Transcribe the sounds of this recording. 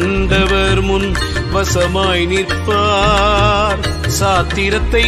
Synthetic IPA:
ɳɖɐʋɐɾmʊn | ʋɐsɐmaːjnɪɾpːaː | ɾ | saːt̪ːiɾɐt̪ːɐ

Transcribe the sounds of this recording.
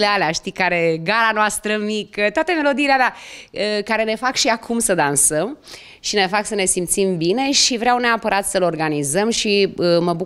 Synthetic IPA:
lealeaʃt̪ikaɾe̞ɡaɾanoast̪ɾəmikət̪oat̪əme̞lo̞d̪iːlealeaəkaɾe̞ne̞fakʃiakʰumsəd̪ansəm | ʃine̞faksəne̞simt̪simbine̞ʃivɾeawneapəɾʔat̪səlo̞rɡanizəmʃiəməbu

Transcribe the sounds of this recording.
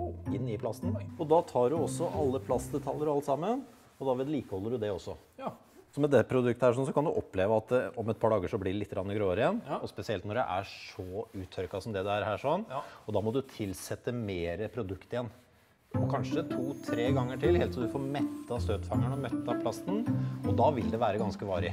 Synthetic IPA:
ɪnːɪpʰlɑst̪n̩ɔd̪ɑt̪ʰɑːɖʉɔsːɔʔɑlːəpʰlɑst̪d̪ɛt̪ʰɑlːəɾɑlt̪sɑmːən | ɔd̪ɑʋɛːd̪liːkəhɔlːəɖʉd̪ɛɔsːɔ | sɔmɛd̪ɛəpʰɾʊd̪ʉk̚t̪əhæːʂɔnsɔkʰɑnd̪ʉʔɔpːleːʋəɑt̪ɔmɛt̪̚pʰɑːɖɑːɡəʂɔblɪɾɛlɪt̪ːɡɾɑnːəɡɾoːəɾɪjɛnːɔspɛsɪɛlt̪nɔɾæɪʔæʂɔʉːt̪ʰœɾkɑsɔmd̪ɛd̪ɛæɾhæːʂɔnːɔd̪ɑmɔd̪ʉt̪ʰɪlːsɛt̪ːəmeːɾəpʰɾʊd̪ʉkt̪ɪjɛnː | ɔkʰɑnʂət̪ʰuːt̪ʰɾeːɡɑŋːəʈʰɪlheːlt̪sɔd̪ʉfɔɾmɛt̪ːɑst̪øːt̪fɑŋːəɳɔmœt̪ːɑpʰlɑst̪n̩ɔd̪ɑʋɪld̪ɛʋæːɾəɡɑnskəʋɑːɾɪ

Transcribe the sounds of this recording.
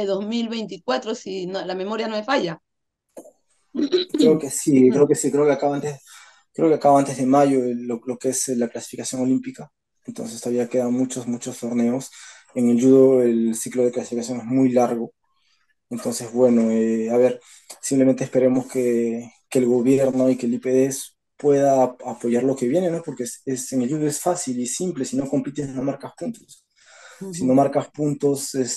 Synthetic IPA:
eðozmilβejnt̪ikwat̪ɾosinolame̞moɾjanomefaʝa | kɾeokesikɾeokesikɾeokeakaβaant̪e | kɾe̞okeakaβaant̪e̞zðemaʝo̞eolo̞keeselaklasi̥fikasjo̞ŋo̞limpika | ent̪o̞nse̞st̪oaβiakeðaðomut͡ʃosmut͡ʃo̞st̪o̞ɾne̞os | eŋelʝuðoe̞lsiklo̞ð̞e̞klasi̥fikasjo̞ŋe̞zmujlaɾɣo̞ | ent̪o̞nse̞zβwe̞no̞eaβe̞ɾ | sĩmplement̪espe̞ɾe̞mo̞skekelɣo̞βjeɾno̞ikelipeðes | pwe̞ðaapo̞ʝaɾlo̞ke̞βje̞ne̞no̞po̞ɾkeseseŋelʎuðoesfasilisimple̞sino̞ko̞mpit̪esino̞maɾkaspunt̪os | sino̞maɾkaspunt̪o̞ses

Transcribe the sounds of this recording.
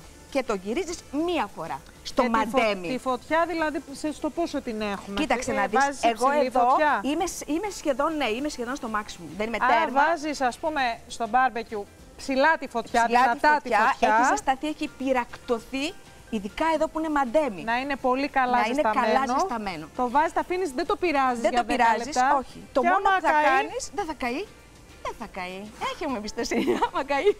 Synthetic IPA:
ce̞t̪o̞ʝiɾizizmiɐfo̞ɾɐ̰ | st̪o̞mɐnd̪e̞miifot̪çɐðilɐðisest̪opusot̪inexumeit̪ɐkst̪enɐðiszseɣo̞eðo̞ɐimesime̞sçe̞ðo̞nːeime̞sçe̞ðo̞nst̪o̞mɐksimumðe̞nime̞t̪eɾmvɐzisɐspume̞st̪o̞bɐɾbecu | psilɐt̪ifotp̪çɐilɐtɐift̪ɐt̪t̪iɐoçeɐisɐst̪ɐθieçipiɾɐkt̪o̞θi | iðikɐe̞ðo̞puine̞mɐd̪e̞minɐine̞po̞likɐlɐɐineɐkɐllɐst̪ɐme̞no̞t̪ovɐzistɐfinisðed̪opiɾɐzðizðed̪oiɾɐzisɐo̞çit̪o̞onouθɐnisðeθɐkɐi | ðenθɐkɐieçemuebist̪esinɐmɐkɐi

